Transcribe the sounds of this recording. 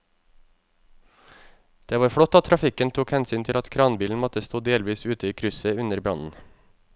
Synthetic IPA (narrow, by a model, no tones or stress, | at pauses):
d̪̥eːʋɑːɾfɽɔt̪ːɑt̪t̪ʰɾɑfɪkənt̪ʰuːkhɛnsyːnt̪ʰɪlɑt̪kʰɾɑːnbiːln̩mɔt̪əst̪uːd̪eːlʋiːsʉːt̪əiːkʰɾʉsəʉnəɾbɾɑ̰nn̩